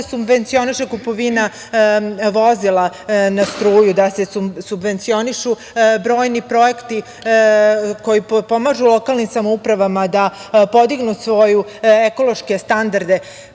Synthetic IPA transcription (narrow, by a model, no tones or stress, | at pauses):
subʋe̞nt̪sio̞niʃekupo̞ʋina | ʋo̞zilanast̪ɾuːjud̪ase̞subʋe̞nt̪sio̞niʃu | bɾoːjnipɾo̞ekt̪i | ko̞jipo̞maʒulˠo̞kalˠnimsamoupɾaʋamad̪apo̞d̪iɡnusʋo̞jueko̞lˠo̞ʃke̞st̪and̪aɾd̪e̞